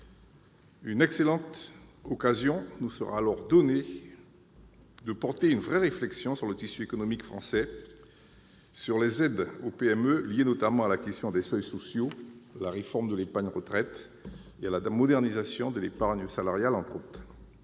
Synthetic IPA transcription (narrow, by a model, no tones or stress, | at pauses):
ynɛkselɑ̃t̪ɔkazjɔ̃nusəʁa̰ːlɔʁd̪ɔne | d̪əpɔʁt̪eynvʁɛʁeflɛksjɔ̃syʁlət̪isyekɔnɔmikfχɑ̃sɛ | syʁlezɛd̪opeɛmøljenɔt̪amɑ̃alakʲɛst̪jɔ̃d̪ɛsœjsɔsjolaʁefɔʁmd̪əlepaʁɲʁət̪χɛt̪ | ealamɔd̪ɛʁnizasjɔ̃d̪əlepaʁɲsalaʁjalɑ̃t̪χot̪χ